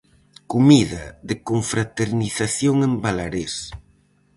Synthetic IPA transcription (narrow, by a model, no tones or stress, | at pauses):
kumiðaðekoɱfɾat̪eɾniθaθjoŋembalaɾes